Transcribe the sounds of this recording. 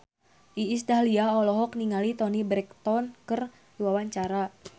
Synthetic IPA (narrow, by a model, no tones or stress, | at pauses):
ʔiːs̬t̪aliaɔlɔɦɔkniŋalit̪ɔnibɾɛk̚t̪ɔnkər | wawaɲt͡ʃaɾa